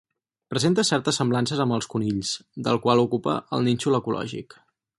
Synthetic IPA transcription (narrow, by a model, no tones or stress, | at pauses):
pɾəzent̪əsɛɾt̪əsːəmblansəzəmbəlˠskuniʎsd̪əlˠkwalˠukupə̰ə̰lˠnint͡ʃuləkulɔ̰ʒḭk